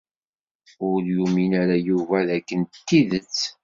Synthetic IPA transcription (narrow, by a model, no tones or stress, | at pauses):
ʊɾjuminæɾajuvæðækːənt̪ːiðət͡sː